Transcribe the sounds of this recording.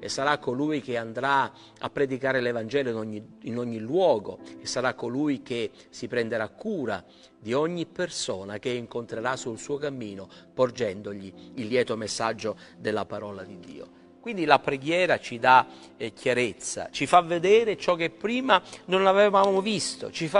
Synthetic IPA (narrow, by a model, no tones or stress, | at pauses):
ḛsːaɾakːoluːjkeand̪ɾa | a̰pːɾed̪ikaːɾelevand͡ʒɛːloinɔɲːiinɔɲːilwɔːɡo̰esːaɾakːoluːjk̟e | sipɾɛnd̪eɾakːuːɾa | d̪iɔɲːipːersɔːnak̟eiŋkont̪ɾeɾasulsuːokamːiːnopord͡ʒɛnd̪oʎiːlːjɛːt̪omesːad͡ʒːod̪elːapaɾɔːlad̪id̪ːḭːo̰ | kwind̪ilapɾeɡjɛːɾat͡ʃid̪a | kjaɾet̪sːa̰t͡ʃifavːed̪ɛːɾet͡ʃɔkːepːɾiːmanonlavɛvaːmovist̪o̰t͡ʃifa